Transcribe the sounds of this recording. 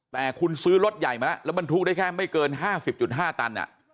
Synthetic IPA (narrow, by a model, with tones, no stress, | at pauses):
t̪ɛː˨˩kʰu˧nsɯː˦˥ɾo˦˥t̪̚ja˨˩jma˧nla˦˥lɛ˦˥wma˧nt̪ʰu˦˥k̚da˥˩jkʰɛː˥˩ma˥˩jkɤː˧nɦaː˥˩si˨˩p̚t͡ɕu˨˩t̪̚ɦaː˥˩t̪a˧nʔa̰˨˩ʔ